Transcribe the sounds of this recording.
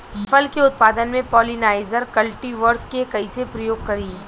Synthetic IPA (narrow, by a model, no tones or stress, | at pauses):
fɐlkeʊt̪̚paːd̪ənmẽpɔːlɪnaːɪzəɾkɐlʈiʋəɾskekɐisepɾɐjoːɡ̚kɐɾiː